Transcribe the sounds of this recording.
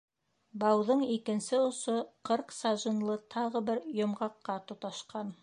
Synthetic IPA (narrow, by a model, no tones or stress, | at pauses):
bɑwðɤɴikɘ̆nsɘŏsoqɤɾqsɑʒɤ̆nlˠɤt̪ʰɑʁɤ̆bɘɾjŏmʁɑqːɑt̪ŏt̪ɑʃqɑn